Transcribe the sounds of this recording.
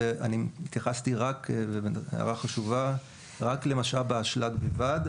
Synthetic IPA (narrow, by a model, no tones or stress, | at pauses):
eʔaniit̪jaχast̪iʁakveea̰ʁaχaʃuva | ʁakle̞maʃalbeaʃlaɡbevad